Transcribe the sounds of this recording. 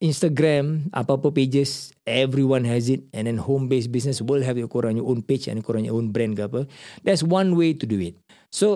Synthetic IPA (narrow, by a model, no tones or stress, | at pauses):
ʔĩnstaɡɾɛ̃ma̰papəped͡ʒəs | ɛvɾiwãnɦɛs̬it̚ɛ̃ndɛ̃nhõmbesbisnəswilɦɛvjɔkoɾãŋjɔʔõnpit͡ʃɛ̰̃nkoɾãŋjɔ̰ʔõnbɾɛ̃nkapədɛtswãnwetuduit̚ | so